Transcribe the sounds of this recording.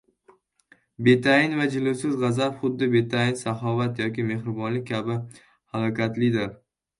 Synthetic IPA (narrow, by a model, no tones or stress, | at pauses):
be̞t̪ʰaɪnvad͡ʒɪlʊwsɪzʁɑzapχʊd̪ːɪbe̞t̪ʰaɪnsaχɒvat̪jɒkʲɪme̞hɾɪbɒnlɪk̚ʲːʰabɪ | halˠɒkʲat̪lɪd̪ɪɾ